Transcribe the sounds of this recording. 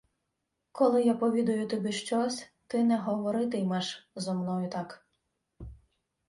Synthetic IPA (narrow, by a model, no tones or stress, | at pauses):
kʰɔlˠɪjapɔʋʲid̪ɔjʊt̪ɔbʲiʃt͡ʃɔsʲt̪ɪnɛɦɔʋɔɾɪt̪ɪjmɛʒzɔmnɔjʊt̪ɑk